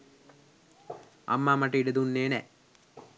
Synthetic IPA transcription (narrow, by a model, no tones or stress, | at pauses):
ɐ̰mːamɐʈiɖed̪unːeːnɛ